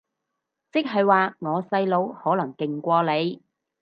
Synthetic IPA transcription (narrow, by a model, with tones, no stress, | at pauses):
t͡sɪ˥k̚ɦɐ˨jwaː˨˧ŋɔː˨˧sɐ˧jlo˨˧˥whɔː˨˥lɐ˨˩ŋkɪ˨ŋkʷɔː˧le˨˧j